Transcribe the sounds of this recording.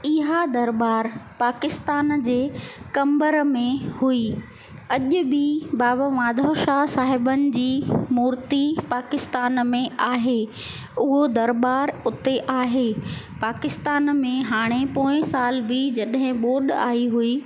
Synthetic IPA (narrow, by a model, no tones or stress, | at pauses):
ɪɦad̪ɐɾbaːɾpaːkɪst̪aːnd͡ʑeːkɐ̃mbəɾmẽhui | ɐʄʊbɪbaːbaʋãːd̪ʱəʃasaːɦɪbənɪ̆d͡ʑiːmuːɾt̪ipaːkɪst̪aːnmẽaːɦe | ʊɦod̪ɐɾbaːɾʊt̪eʔaːɦeː | paːkɪst̪aːnmẽɦaːɽ̃epõːɪ̃saːlbɪd͡ʑɐɗɦɪ̃ɓoːɗa̰ːiɦuiː